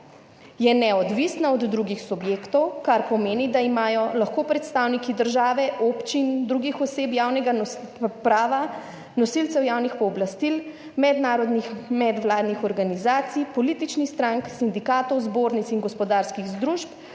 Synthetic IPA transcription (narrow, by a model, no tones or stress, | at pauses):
jɛnɛɔd̪ʋisnaɔd̪ːɾuɡixsubjeːkt̪ɔwkaɾpɔmeːnid̪aimaːjɔlaxkopɾɛt̪st̪aːwnikid̪əɾʒaːʋɛʔopt͡ʃind̪ɾuːɡixɔseːpjaːwnɛɡanɔpɾaːʋa | nɔsilt̪sɛwjaːwnixpɔːblast̪il | mɛd̪naːɾɔd̪nixmɛd̪ʋlaːd̪nixɔɾɡanizaːt̪sipɔliːt̪it͡ʃnixst̪ɾaŋksind̪ikaːt̪ɔwzboːɾnit̪siŋɡɔspɔd̪aːɾskiɣzd̪ɾuʃp